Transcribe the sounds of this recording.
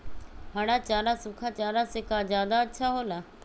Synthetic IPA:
ɦaːɽ̃aːt͡ʃaːɾaːsʊkʰaːt͡ʃaːɾaːsɪkʰaːd͡ʒjaːd̪aːətːʃʰaːɦoːlaː

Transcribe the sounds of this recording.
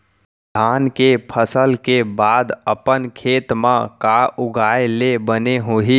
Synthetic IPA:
d̪ʱaːnkepʰəsəlkebaːd̪əpənkʰeːt̪mãkaʊɡʱaːelebəneɦoːɦiː

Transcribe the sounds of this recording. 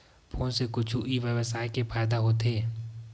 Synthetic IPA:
pʰõːsekʊt͡ʃʰuʔiʋjəʋəsaːikepaːd̪aɦoːt̪ɦeː

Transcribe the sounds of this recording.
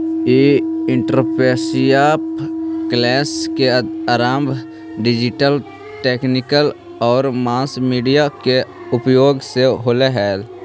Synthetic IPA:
eːɪ̃ɳʈɾopeːsijaːpklɛːskeaːɾaːmbʱ | ɖɪd͡ʒɪʈəl | ʈeːknɪkəl | ɔːɾmãːsmiːɖijake | ʊpjoːɡseɦoːleɦɛːl

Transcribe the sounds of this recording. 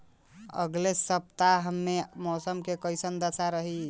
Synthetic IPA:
ə̰ɡlesəp̚t̪aɦəmːemɔsəmkekəɪsənd̪əsʰaɾəɦi

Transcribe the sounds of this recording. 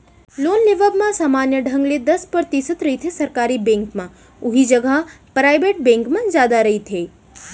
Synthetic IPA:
lonleʋəbmãsaːmanjəɖʱə̃ŋɡled̪əspəɾt̪isət̪ɾəɦit̪ʰesəɾkaɾibẽŋkmã | ʊɦid͡ʒəɡəɦ | pɾajbeʈ̚bẽŋkmãzjaːd̪aɾəɦit̪ʰe

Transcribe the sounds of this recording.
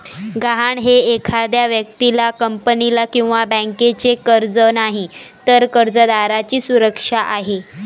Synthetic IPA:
ɡaɦaɳɦeːkʰad̪jaʋjək̚t̪ilakəmpənilakĩw̃ʋabɛ̃ŋket͡sekəɾd͡zənaɦit̪əɾkəɾd͡zəd̪aɾat͡ɕiːsuɾəkʂaʔaɦe

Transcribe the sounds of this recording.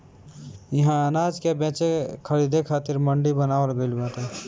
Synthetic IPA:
jɐɦãənaːd͡ʒkebɛ̃ːt͡ʃekʰəɾiːd̪ekʰaːt̪ɪɾmə̃ɳɖibənaːʋəlbelbaːt̪ɦɛ

